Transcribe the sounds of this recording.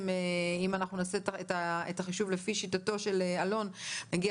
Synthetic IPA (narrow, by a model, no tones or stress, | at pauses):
meimanaχnunasetaetaetaχiʃuvle̞fiʃitato̞ʃe̞lealo̞nnaɡia